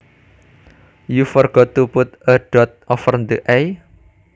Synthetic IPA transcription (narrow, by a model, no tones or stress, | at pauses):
jufɔrɡ̥ɔt̪ːupʊt̪əɖ̥ɔt̪̚ʔɔfərnd̪əʔej